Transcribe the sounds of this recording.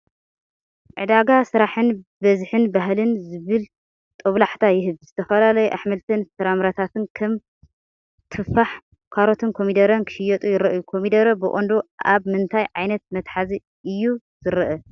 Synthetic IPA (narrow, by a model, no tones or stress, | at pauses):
ʕɨ̰d̪aɡasɨɾaħɨnbɐzħɨnbaɦlɨnzɨβɨl | t̪ʼoβlaħt̪ʰajɪɦɨβzɨt̪ʰɐfɐlalɐjuʔaħmɐlt̪ʰɨnsɐɾamɾat̪ʰat̪ʰɨnkʰɐm | t̪ʰɨfaħ | kʰaɾo̞t̪ʰɨnkʰo̞mid̪ɐɾɐnkʰɨ̥ʃɪjɐt̪ʼujɪɾɐʔɨjukʰomid̪ɐɾɐbɨʔʼond̪oʔaβmɨnt̪ʰajʕajnɐt̪̚mɐt̪ħazi | ʔɨjːu | z̥ɨɾɐʔɐ